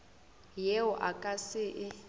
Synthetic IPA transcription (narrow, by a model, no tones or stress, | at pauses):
jeʊʔakʼasɪʔɪ